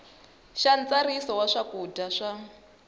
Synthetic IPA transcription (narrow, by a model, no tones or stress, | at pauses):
ʃant͡sarisɔwaʂakudaʂa